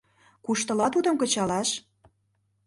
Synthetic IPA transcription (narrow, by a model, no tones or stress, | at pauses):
kuʃt̪ɤ̆lɑt̪ud̪ə̆mkə̆t͡ɕɑlɑʃ